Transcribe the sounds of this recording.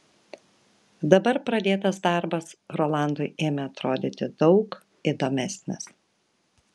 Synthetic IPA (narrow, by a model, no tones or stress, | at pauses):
d̪ɐbɐɾpɾɐd̪ʲeːt̪ɐsd̪ɑˑɾbɐsɾolˠɑˑnd̪ʊɪeːmʲɛɐt̪ɾoːd̪ʲɪt̪ʲɪd̪ɒʊk | ɪd̪oːmʲæsʲnʲɪ̰s